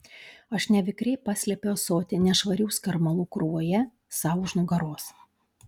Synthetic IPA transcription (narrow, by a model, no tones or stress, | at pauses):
ɐʃnʲɛʋʲɪkɾʲɛɪpɑsʲlʲɛpʲejosoːt̪ʲɪnʲɛʃʋɐɾʲuʊskɐɾmɐlˠuːkɾʊʋoːjɛ | sɑʊʊʒnʊɡɐɾoːs